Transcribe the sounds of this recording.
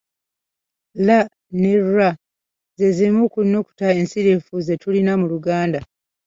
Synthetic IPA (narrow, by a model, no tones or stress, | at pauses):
la | ne̞ɾwa | ze̞zimukuno̞ku̥tae̞nsiɾefuze̞tulinamuluɡaːnda